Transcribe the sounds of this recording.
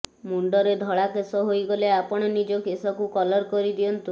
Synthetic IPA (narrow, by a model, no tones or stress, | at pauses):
muɳɖɔɾed̪ʱɔɭakesɔɦojɡɔleapɔɽ̃ɔnid͡ʒɔkesɔkukɔlɔɾkɔɾid̪iɔnt̪u